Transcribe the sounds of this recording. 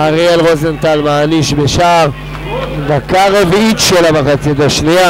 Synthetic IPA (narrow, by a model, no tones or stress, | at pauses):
aʁielʁozent̪almaːniʃbeʃav | d̪akaʁeviit̪ʃelamaχat͡sit̪aʃnia